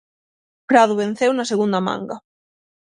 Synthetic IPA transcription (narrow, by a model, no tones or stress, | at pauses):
pɾaðʊβ̞en̟θewnaseɣund̪amã̰ŋɡa